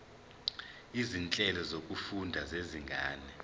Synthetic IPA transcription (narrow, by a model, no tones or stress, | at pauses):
izint͡ɬʼɛlɔzokʼufundʱazeziŋɡʱaːnɛ